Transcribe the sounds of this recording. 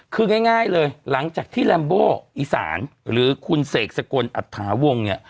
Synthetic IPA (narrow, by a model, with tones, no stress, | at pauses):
kʰɯː˧ŋaː˥˩jŋaː˥˩jlɤː˧jla˩˦ŋt͡ɕaː˨˩k̚t̪ʰiː˥˩lɛː˧mboː˥˩ʔiː˨˩sa̰ː˩˦nɾɯː˩˦kʰu˧nseː˨˩k̚sa˧ko˧nʔa̰˨˩t̪ʰːaː˩˦wo˧ŋni˦˥˩ɐ